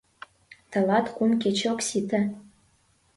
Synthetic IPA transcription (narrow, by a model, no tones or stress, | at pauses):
t̪ɤ̆lɑt̪kunket͡ɕoksit̪ə̆